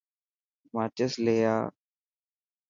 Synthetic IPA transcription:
maːt͡ʃəsleːjaː

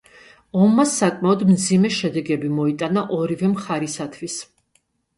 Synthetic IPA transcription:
ɔmːasːakʼmaɔd̪md̪zimɛʃɛd̪ɛɡɛbimɔit̪ʼanaʔɔɾivɛmχaɾisat̪ʰvis

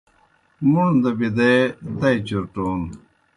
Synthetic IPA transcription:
moːnd̪ɐbid̪ejd̪ɐjt͡ɕuɾʈoːn

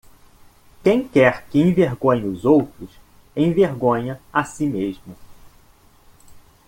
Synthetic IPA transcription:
kẽj̃kɛɾkɪẽveɾɡõɲɪʊzowt̪ɾʊs | ẽj̃veɾɡõɲɐasimeʒmʊ

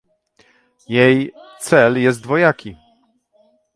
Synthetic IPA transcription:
jɛjt̪sɛljɛs̬t̪̚vɔjakʲi

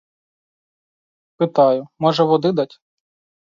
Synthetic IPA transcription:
pɪt̪ɑjʊmɔʒɛʋɔd̪ɪd̪ɑtʲ

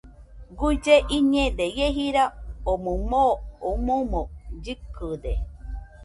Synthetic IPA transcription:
ɡud͡ʒeʔiɲẽd̪ejeɦiɾaomũmoomomõd͡ʒɨkɯd̪e

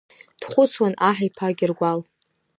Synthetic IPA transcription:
d̥χʷʊt͡sʰwanaħajpʰaɡʲɪrɡʷal

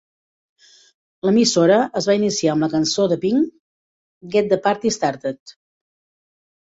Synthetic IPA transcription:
ləmisoɾəʔəzβainisiaəmləkənsoðəpiŋ | ɡɛt̪̚d̪əpaɾt̪ist̪aɾt̪ət̪

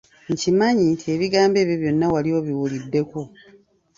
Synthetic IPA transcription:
ɲ̩cimaɲitʰeːβiɡaːmbe̞ːβjoβjo̞nːawaliwoβiwulidːe̞ko

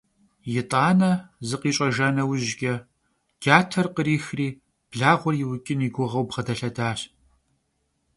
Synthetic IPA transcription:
jɪtʼaːnɐzɨqiːt͡ʃʼɐʒaːnɐwʑkʲʼɐ | ɡ̥aːtʰɐrqəɾiːxriː | b̥ɮaːʁʷɔrjɪwʊkʲʼɪniːɡʷʊʁɐwbʁɐdɐɬɐdaːɕ

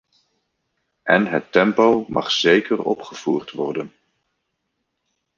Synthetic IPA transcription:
ʔɛnɦətːɛmpowmʔɑ̰χz̥ejkərɔ̰pχəv̥uːɹtʋɔɹdən

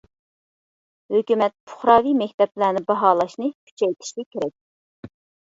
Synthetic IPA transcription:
høkʲymɛt̪̚pʰʊ̥χɾɑːvimɛk̚ʲt̪ɛplæːnɪbɑɦɑːlˠɑʃnɨkʲʰy̥t͡ʃʰɛjt̪ʰi̥ʃlɪkʲeɾɛk̚ʲ

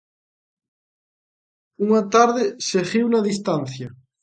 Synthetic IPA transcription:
uŋat̪aɾðɪseɣiwnaðist̪anθjɐ

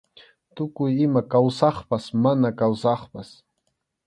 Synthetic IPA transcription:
t̪ʊkʊjɪmakawsɑχpasmanakawsɑχpas

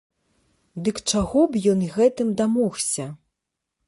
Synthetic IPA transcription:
d̪ɨkt͡ʂaɣɔbjɔnɣɛt̪ɨmd̪amɔwsʲɐ

